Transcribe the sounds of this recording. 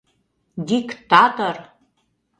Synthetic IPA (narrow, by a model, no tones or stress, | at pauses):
dikt̪at̪or